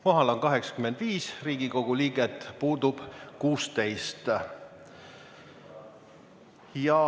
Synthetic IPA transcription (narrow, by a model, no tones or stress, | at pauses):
koɦɑlo̞nkɑɦe̞ksɑ̥kyme̞nd̪̥viːsriːɡ̥iko̞ɡ̥uliːɡ̥et̪ːˑpuːd̪ub̥kuːst̪e̞jst̪ | jɑ